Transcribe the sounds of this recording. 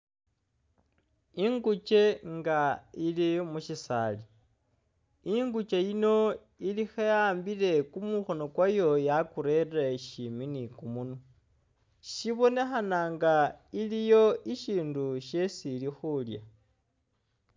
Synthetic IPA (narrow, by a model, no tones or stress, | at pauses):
iŋɡut͡ʃe̞ŋɡailimuʃisa̰li | iŋɡut͡ʃejino̞ | ilixeaːmbile̞kumuxo̞no̞kwajo̞jakuɾe̞raʃiminikumunu | ʃiβo̞ne̞xanaŋɡailijo̞iʃiːnduʃe̞silixulja̰